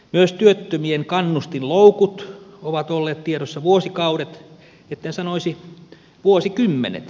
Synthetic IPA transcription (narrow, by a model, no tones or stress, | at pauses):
myøst̪yøt̪ːømieŋkɑnːust̪inloukut̪oʋɑt̪olːeːt̪t̪ieɾosːɑʋuosikɑuɾet̪ | et̪ːænsɑnoisi | ʋuosikymːḛnḛt̪